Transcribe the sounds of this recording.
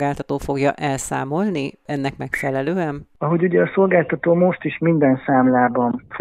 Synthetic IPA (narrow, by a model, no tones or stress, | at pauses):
ɡaːlt̪ɒt̪oːfo̞ɡjɒ̰ʔɛlsa̰ːmo̞lniɛnːɛkmɛkfɛlɛløːɛnɒɦoɟuɟɛɒso̞lɡaːlt̪ɒt̪oːmo̞ʃt̪iʃmind̪ɛnsaːmlaːbɒnf